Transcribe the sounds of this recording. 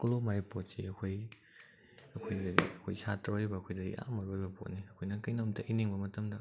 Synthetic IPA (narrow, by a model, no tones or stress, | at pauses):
kolomapot̚siɐkʰoj | ɐkʰojdɐdḭɐkʰojsataɾojbɐɐkʰojdɐɡḭʔa̰mɐɾojbɐpʰot̚niɐkʰojnɐkɐjnɐmtʰɐʔiniŋbɐmɐtɐmdɐ